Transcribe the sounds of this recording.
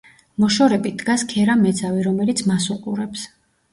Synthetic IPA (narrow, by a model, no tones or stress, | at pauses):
mɔʃɔɾɛbid̪ɡaskʰɛɾamɛd̪zaviɾɔmɛlit̪sʰmasuqʼuɾɛps